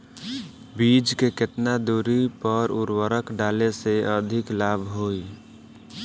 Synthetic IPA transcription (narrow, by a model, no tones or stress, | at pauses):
bid͡ʒkekɪt̪nad̪uɾipəɾuɾwəɾəkɖaleseəd̪ʱɪklabʱɦoi